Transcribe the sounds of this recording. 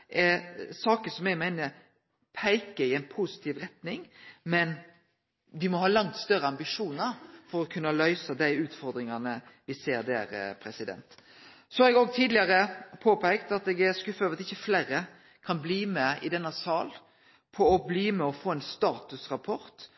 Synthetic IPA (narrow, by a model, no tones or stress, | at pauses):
ʔɛsɑːkəsɔmɛɡmæɪnə | pʰæɪkəɪɛɪnpʰʊsɪ̥t̪ʰiːʋɾɛt̪nɪŋmɛn | ʋɪmɔhɑːlɑŋt̪st̪œɾəɑmbɪʂuːnəɾfɔɾɔkʰʉnːəlœʏsəd̪æɪʉːt̪fɔɾd̪ɾɪŋɑnəʋɪseːɾd̪æ̰ːɾpʰɾɛsɪd̪ɛ̰nt̪ | sɔhɑɾɛɡoːɡt̪ʰiːd̪lɪɑɾəpʰoːpʰæɪkt̪ɑt̪ɛɡɛɾskʉfːɑʋɾɑt̪ɪçːəflæːɾə | kʰɑnbliːmɛɪ̰d̪ɛnːəsɑːl | pʰɔɔbliːmɛɔfoːɛnst̪ɑːt̪ʉsɾɑpʰɔɾt̪